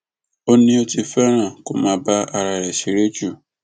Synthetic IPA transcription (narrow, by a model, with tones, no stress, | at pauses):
o˦nĩ˧o˧ti˧fɛ˦ɾ̃ã˦˨ko˦mãː˨˦ba˦a˨ɾa˨ɾɛ˨ʃi˨ɾe˦d͡ʒu˦˨